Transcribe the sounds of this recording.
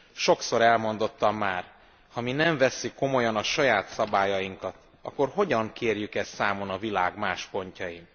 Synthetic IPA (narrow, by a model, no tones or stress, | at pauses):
ʃo̞kso̞ɾɛlmo̞n̪d̪o̞t̪ːɒmːaːr | hɒminɛɱvɛsːykːo̞mo̞jɒnɒʃɒjaːt̪sɒbaːjɒjiŋkɒt̪ | ɒ̰kːo̞rɦo̞ɟɒŋkʰeːrjykɛst̪sːaːmo̞nɒvilaːɡmaːʃpo̞ɲcɒjim